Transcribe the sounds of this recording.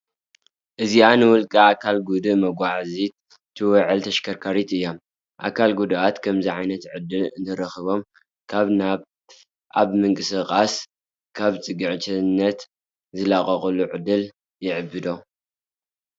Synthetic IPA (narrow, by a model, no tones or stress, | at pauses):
ʔɨzianɨwʊlkʼɐakʰalɡud̪ɨmɐɡʷaʕazi | t̪ʰɨwɔʕɨlt̪ʰɐʃkʰɐɾkʰaɾit̪ɨjːom | ʔa̰kʰalɡud̪ʔat̪kʰɐmziʕajnɐt̪ʕɨd̪ɨlɨnt̪ʰɐɾɐxɨβo̞m | kʰaβna | ʔaβmɨŋkʼɨsɨqʼas | kʰaβt͡sʼɨɡɨʕt͡ʃʰɐnːɐt̪ | zɨlaχʼɐχʼɐluʕɨd̪ɨl | jɪʕɨbːɨd̪o